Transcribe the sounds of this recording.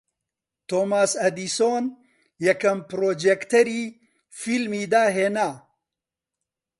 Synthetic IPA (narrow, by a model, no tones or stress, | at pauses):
t̪oːmaːsɐd̪iːsoːn | jɐkɐmpɾoːd͡ʒekt̪ɐɾiː | filmiːd̪aːɦeːnaː